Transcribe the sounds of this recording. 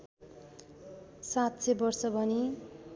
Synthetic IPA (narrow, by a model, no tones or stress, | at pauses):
sat̪sʰebʌrsʌbʱʌni